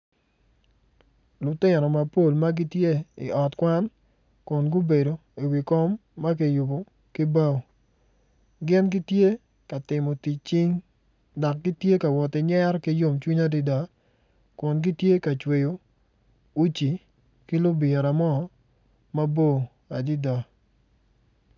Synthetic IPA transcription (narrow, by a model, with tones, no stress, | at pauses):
lʊ˨tɪ˦˨nɔ˨ma˨po˦˨lma˦ɡi˦tje˦ɪ̰˨ɔ˨tkwa˦n | kʊ˨nɡʊ˦be˨do˨i˨wi˨kɔ˦mːa˦k̬i˨jʊ˨bo˨ | ki˦ba˦˨ | ɡɪ˦nɡi˦tje˦ | ka˨tɪ˨mɔ˨ti˨t͡ʃ̚t͡ʃi˦ŋ | da˨k̚ɡi˦tje˦ka˨wɔ˨tɪ˨ɲɛ˦ɾki˦jo˦mt͡ʃwi˦ɲa˦di˦da˨ | kʊ˨nɡi˦tje˦ka˨t͡ʃwe˨jo˨ | u˦t͡ʃi˨ | kɪ˦lʊ˦bɪ˨ɛ˨ɾa˨mɔ˦ | ma˦bo˦˨ | a˨di˦da˨